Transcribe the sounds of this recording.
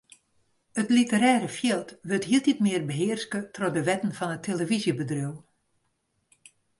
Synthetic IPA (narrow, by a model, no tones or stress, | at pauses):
ətlitəɾɛːɾəfjɪlˠtʋøtɦiəlˠtitmɪərbəɦɪərskətrɔdəʋɛtən̩fɔnətʰːeləvizjəbədruw